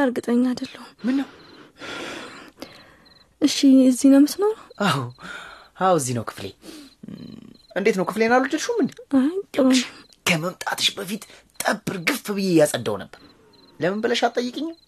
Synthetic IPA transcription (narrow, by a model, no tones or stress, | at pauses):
əɾɡɨt̪ʼəɲːad̪əlːəhumɨnːəw | ʔɨʃːiɨzːinəmɨsnəwnəʔaw | awɨzːihnəwkʰɨ̥flḛ | ɨnd̪e̞t̪nəwkʰɨflenalːut͡ʃd͡ʒɨlʃumɨnajt̪ʼːəʃ | kʰəməmt̪ʼat̪ʰɨʃbəfit̪ʼt̪ʼəbʼːɨɾɡɨfːbɨjejasʼəd̪ːəwnəbːəɾ | ləməmbələʃat̪ʼəjːɨkʼɨɲːaw